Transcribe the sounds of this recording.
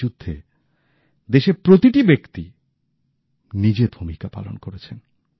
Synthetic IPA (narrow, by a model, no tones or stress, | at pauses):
ud̪ʱːe | d̪eʃeɾpɾot̪iʈibekt̪i | nid͡ʑeb̪ʱumikapa̰lo̰nkoɾet͡ɕʰen